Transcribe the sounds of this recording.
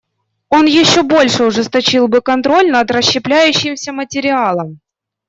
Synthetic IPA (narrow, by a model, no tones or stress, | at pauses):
o̞njɪɕːobo̞lʲʂɨʊʐɨst̪ɐt͡ɕilˠbɨkɐnt̪ɾo̞lʲnɐd̪rəɕːɪplʲæjʉɕːɪmsʲəmətʲɪɾʲɪalˠəm